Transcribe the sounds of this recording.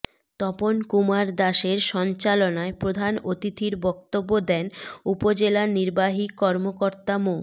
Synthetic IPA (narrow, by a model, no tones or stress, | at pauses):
t̪ɔponkumaɾd̪aʃeɾʃɔnt͡ɕalonaepɾod̪ʱanot̪it̪ʰiɾbɔkt̪obːod̪ɛnupod͡ʑelaniɾbaɦikɔɾmokoɾt̪amo